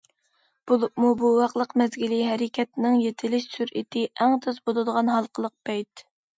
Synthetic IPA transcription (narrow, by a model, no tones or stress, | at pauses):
b̥oɨpmubuwɑqlˠəqmɛzɡʲiliɦɛɾɪkʲʰɛt̪nɪŋjet̪ʰɪlɪʃsyɾḭt̪ʰɪʔæŋt̪ʰøzbolˠɨd̪əʁɑnɦɑlˠqʰəlˠəq̚b̥ɛjt̪